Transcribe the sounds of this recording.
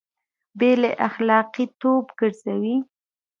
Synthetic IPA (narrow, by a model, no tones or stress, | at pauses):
beleʔaxlɑqit̪obɡəɽzawi